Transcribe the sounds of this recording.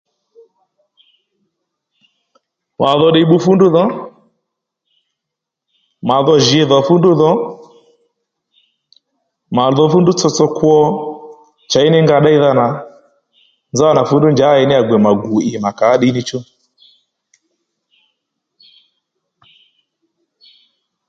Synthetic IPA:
wa˨ðɔ˨ɗɛ˨i˨˦ɓu˦fu˦ndu˦ðɔ˦ | ma˨ðɔ˨ʒi˨ɛ˨ðɔ˨fu˦ndu˦ðɔ˦ | ma˨ðɔ˨fu˦ndu˦t͡sɔ˦t͡sɔ˦kwɔ˦ | t͡ʃa˨i˦nɛ˦ŋɡa˨ɗa˦i˦ða˦na˨ | nza˦a˦na˨fu˦ndu˦nd͡ʒa˨˦ɛ˨nɛ˦a˨ɡwɛ˨ma˨ɡu˨i˨ma˨kaː˨˦ɗi˦ni˦t͡ʃu˦

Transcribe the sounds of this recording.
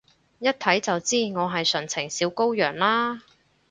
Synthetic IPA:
jɐ˥t̚t̪ʰɐ˨˥jt͡sɐ˨wt͡siː˥ŋɔː˨˧ɦɐ˨jsœ˨˩ŋt͡sʰɪ˨˩ŋsiː˨˥wko˥wjœː˨˩ŋlaː˥

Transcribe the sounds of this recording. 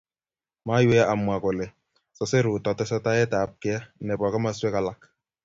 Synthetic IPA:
ma˨˦jwe˦ʔa˨mʷ˨a˨ko˨le˨ | sɔ˨se˦ɾu˨tɔ˨tɛ˦sɔ˦ta˦ɛ˦ta˨p̚kɪ˦a˦ne˨ba˨ka˦ma˦swe˦ka˦la˨k

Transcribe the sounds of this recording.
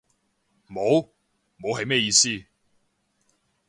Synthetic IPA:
mo˨˧w | mo˨˧wɦɐ˨jmɛː˥˧jiː˨˧siː˥

